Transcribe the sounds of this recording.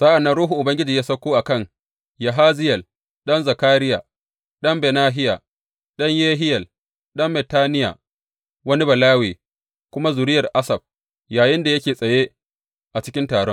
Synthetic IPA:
saː˦ʔa˨nːɐ˦nɾuː˦ɦu˨ʔʊ˨bɐ˦ŋɡʲɪ˦d͡ʒiː˨jaː˦sɐ˦kʷoː˦ʔa˨kɐ˦˨ŋ | ja˨ɦaː˦zɪ˦jɐ˨l | ɗɐ˦nza˨kaː˦ɾɪ˦ja̰˨ | ɗɐ˦mbɛ˨naː˦ɦɪ˦ja̰ː˨ | ɗɐ˦ɲjeː˦ɦɪ˦jɐ˨l | ɗɐ˦mbɛ˨taː˦nɪ˦ja̰ː˨ | wɐ˦ni˦bɐ˨laː˦wiː˨ | kʷʊ˦ma˦zʊ˨ɾɪ˦jɐ˨rʔa˦sɐ˨b̚ | jaː˨jɪ˦nda˨jɐ˦kʲeː˨sʼɐ˨je˦ | ʔa˨t͡ʃɪ̥˦kʲɪ˦ntaː˨ɽɔ˦n

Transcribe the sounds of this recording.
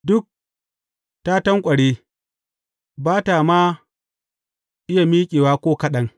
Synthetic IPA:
dʊ˦k̚ | ta˦tɐ˦ŋkʷʼɐ˨ɽeː˦ | baː˦ta˨maː˦ | ʔɪ˦ja˨miː˦kʲʼeː˨waː˦kʷoː˦kɐ˦ɗɐ˦ŋ

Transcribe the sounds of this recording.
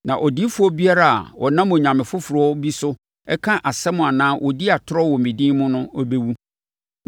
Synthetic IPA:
nã˨ʔɔ˨di˦fʊ˦ɔ˦bi˦a˦ɾa˦a̰˨wɔ̰˨nã˦m˨ɲã˨mɪ̃˨fʊ˦fʊ˨ɾɔ˦bi˦sʊ˦ | ɛ˦kʰã˦ʔa˨sɛ˦mʊ̃˨a˨nãː˦wʔɔ˨di˦a˨tʰʊ˦ɾɔ˦wɔ˨mĩ˨dĩː˦mʊ̃˦nʊ̃˦ɔ˦be˦wu˦

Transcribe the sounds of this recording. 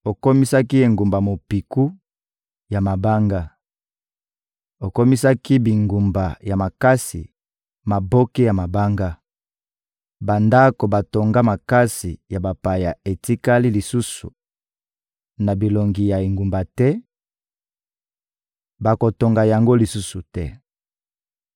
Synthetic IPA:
o˨ko˦mi˦sa˦ki˦e˨ŋɡu˨mba˨mo˨pi˨ku˦ | ja˨ma˨ba˦ŋɡa˦ | o˨ko˦mi˦sa˦ki˦bi˨ŋɡu˨mba˨ja˨ma˨ka˦sḭ˨ | ma˨bo˦ke˦ja˨ma˨ba˦ŋɡa˦ | ba˨nda˦ko˨ba˨to˨ŋɡa˦ma˨ka˦si˨ja˨ba˨pa˨ja˨e˨ti˦ka˦li˦li˨su˦sṵ˨ | na˨bi˨lo˨ŋɡi˨ja˨e˨ŋɡu˨mba˨tɛ˦ | ba˨ko˨to˨ŋɡa˨ja˨ŋɡo˦li˨su˦su˨tɛ˦

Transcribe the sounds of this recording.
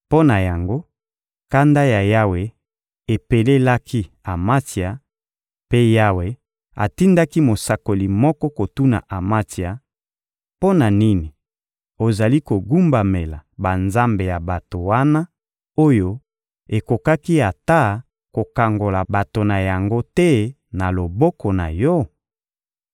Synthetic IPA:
po˦na˨ja˨ŋɡo˦ | ka˦nda˦ja˨ja˦we˨ | e˨pe˨le˦la˦kʰi˦ | a˨ma˦ti˨a˨ | pe˦ja˦we˨ | a̰˨ti˦nda˦ki˦mo˨sa˨ko˨li˨mɔ˦kɔ˦ko˨tu˦na̰˨ʔa˨ma˦ti˨a˨ | po˦na˨ni˦ni˨ | o˨za˨li˦ko˨ɡu˦mba˨me˨la̰˨ba˨nza˦mbe˨ja˨ba˨to˨wa˦na˦ | o˦jo˦ | e˨ko˨ka˦ki˦a˨ta˦˨ | ko˨ka˨ŋɡo˨la˨ba˨to˨na˨ja˨ŋɡo˦tɛ˦ | na˨lo˨bɔ˦kɔ˨na̰˨jɔ˦

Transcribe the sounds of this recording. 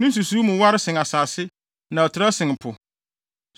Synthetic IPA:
nʊ̃˦n̩˦s̬u˨suː˦mʊ̃˨wa˦ɾɪ˦sɪ̃˨ŋa˨saː˨sɪ˦ | nã˨ɔ˨tʰɪ˨ɾa˦sɪ̃˨ŋ˨pʰʊ˨

